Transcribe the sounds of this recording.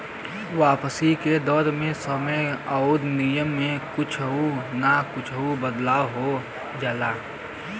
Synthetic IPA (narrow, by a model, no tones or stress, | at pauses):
ʋaːpəsiked̪ɔːɾmẽsəməaud̪nijəmːẽkʊt͡ʃʰunakʊt͡ʃʰubəd̪laːɦo | d͡ʒaːlaː